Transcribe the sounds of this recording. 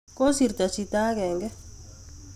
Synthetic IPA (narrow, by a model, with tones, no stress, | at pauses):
ko˦si˨ɾt̪a˨t͡ʃi˧t̪a˦kɛ˨ŋɡɛ˦